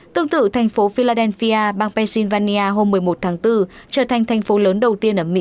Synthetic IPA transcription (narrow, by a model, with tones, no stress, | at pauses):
t̪ɨ˧əŋt̪ɨ̰˧˨t̪ʰa˨˩jŋ̟fo˨˦fi˧laː˧ɗɛ˧nfi˧ʔaː˧ɓaː˧ŋpɛ˧nsi˧nvaː˧ni˧ʔaː˧ɦo˧mːɨ˨˩əjmo˨˩t̚t̪ʰaː˨˦ŋt̪ɨ˧t͡ɕəː˧˩t̪ʰa˨˩jŋ̟t̪ʰa˨˩jŋ̟fo˨˦ləː˨˦nɗə˨˩wt̪i˧ənʔəː˧˩mḭ˧˥